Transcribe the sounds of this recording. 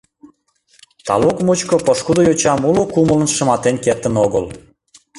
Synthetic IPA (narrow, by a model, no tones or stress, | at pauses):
t̪ɑ̰lokmut͡ɕkopoʃkud̪ojot͡ɕɑmulokumələnʃə̆mɑt̪enket̪ənoɣəl